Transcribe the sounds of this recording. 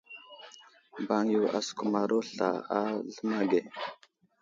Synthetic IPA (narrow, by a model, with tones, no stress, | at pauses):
ba˨ŋju˨a̰˨sku˨ma˨ɾo˦ɬa̰˨a˦ɮə˦ma˦ɡe˨